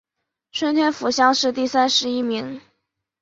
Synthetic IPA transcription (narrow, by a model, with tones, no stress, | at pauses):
ʈ͡ʂʰwə˧˥nt̪ʰɥɛ˥nfu˧˥ɕjɑ˥ŋʂɻ̩˥˧t̪i˥˩sa˥nʂɻ̩˧˥i˥mi˧˥ŋ